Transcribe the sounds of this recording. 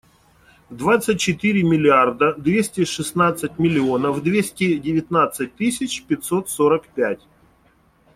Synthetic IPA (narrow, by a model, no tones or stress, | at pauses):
vd̪vat̪sɨt̚ʲt͡ɕɪt̪ɨɾʲɪmʲɪlʲɪard̪əd̪vʲesʲtʲɪʂɨsnat̪sɨtʲmʲɪlʲɪonəvd̪vʲesʲtʲɪdʲɪvʲɪt̪nat̪sɨt̚ʲt̪ɨsʲɪt͡ɕpʲɪt̪ʲsot̪soɾəkpʲætʲ